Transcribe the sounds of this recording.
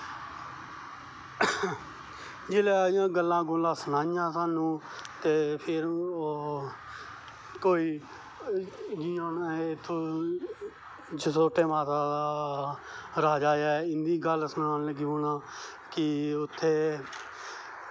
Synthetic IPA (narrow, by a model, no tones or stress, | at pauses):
d͡ʒeːleːjãːɡəlːãːɡoːlãːsənãːɪjãːsaːnũː | t̪eːpʰɪɾ | koːiː | d͡ʒiːaːnt̪ʰːõː | d͡ʒəsoːʈeːmaːt̪aːa | ɾaːd͡ʒaːjaːɪnd̪iːɡəlsənaːnləɡiɦoːnãː | kɪʊt̪ʰːeː